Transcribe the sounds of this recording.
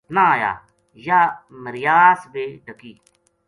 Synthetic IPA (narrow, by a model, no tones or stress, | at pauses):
nãːja̰ː | jaːməɾɪjaːsbeːɖʱəkiː